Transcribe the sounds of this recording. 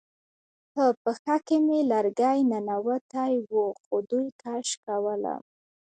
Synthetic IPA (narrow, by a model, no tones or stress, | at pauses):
pəpəxakemelaɾɡajnanawət̪ajwuxod̪ujt̪ʰaʃkawəla̰